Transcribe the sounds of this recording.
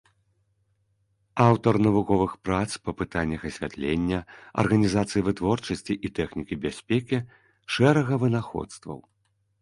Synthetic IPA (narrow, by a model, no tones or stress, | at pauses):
awt̪ɐrnɐvukɔvɨxpɾat̪spɐpɨt̪anʲːɐxɐsʲvʲa̰t̪lʲenʲːɐɐ̰rɣɐnʲizat̪sɨjivɨt̪vɔrt͡ʂɐsʲt͡sʲiʔit̪ɛxnʲikʲibʲasʲpʲɛkʲi | ʂɛɾɐɣɐvɨnaxɔ̰t̪st̪vɐ̰w